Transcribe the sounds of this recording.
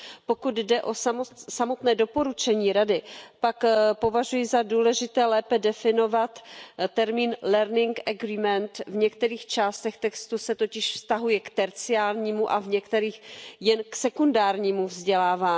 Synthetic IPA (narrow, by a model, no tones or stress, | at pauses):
po̞kud̪dɛʔo̞samosamo̞t̪nɛːdo̞po̞ɾut͡ʃɛɲiːɾadɪpakpo̞vaʒujɪzaduːlɛʒɪt̪ɛːlɛːpɛdɛfɪno̞vat̪t̪ɛɾmiːnlɛɾnɪŋkʔaɡɾiːmɛnt̪vɲɛkt̪ɛɾiːxt͡ʃaːst̪ɛxt̪ɛkst̪usɛt̪o̞cɪʃfst̪aɦujɛkt̪ɛɾt͡sɪaːlɲiːmuʔavɲɛkt̪ɛɾiːxjɛnksɛkundaːɾɲiːmuvzɟɛlaːvaː